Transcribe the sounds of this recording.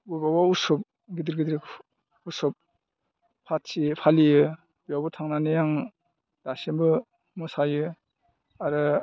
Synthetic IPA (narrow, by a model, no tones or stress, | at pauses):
bubawausɔp̚ | ɡidiɾɡidɾ | usɔp̚ | pʰatsipʰalijɯ | bijawbɔtʰaŋnanejaŋ | d̥asembɯ | mɔsajɯ | aɾɯ